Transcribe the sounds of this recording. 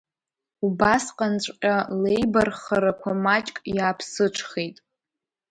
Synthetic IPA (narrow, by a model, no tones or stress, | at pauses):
ubasqʼant͡ʃʷʼqʲʼalejbarχaɾakʷʰamat͡ʃʼkʼjaːpʰsɨʈ͡ʂʰχejtʼ